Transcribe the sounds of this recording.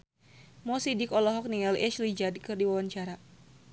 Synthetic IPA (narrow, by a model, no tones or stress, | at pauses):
mɔsidikɔlɔɦɔk̚niŋalʔɛʃlid͡ʒadkɨrdiwawaɲt͡ʃaɾa